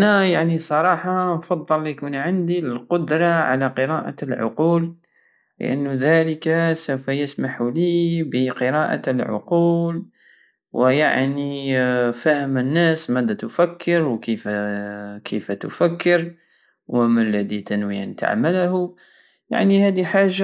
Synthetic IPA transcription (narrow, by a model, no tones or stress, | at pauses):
ʔnajaʕnisˤɑɾˤɑːħɑnfɑðˤːɨlːjkunʕɪnd̪ilqʊd̪ɾˤɑʕa̰laqɨɾɑːʔa̰lʕʊ̰quːl | lə̰ʔa̰nːðæːləkasawfæjɪsmaħulibəqɨɾɑːʔa̰lʕʊ̰quːl | wəja̰ʕnifæhəmənːæsmæd̪æt̪ʊfækʰːəɾwkəf | kʰəft̪ʊfækːəɾ | wəmalːæd̪it̪ænwia̰nt̪a̰ʕməlhʊ | ja̰ʕnihæd̪iħaːʒːa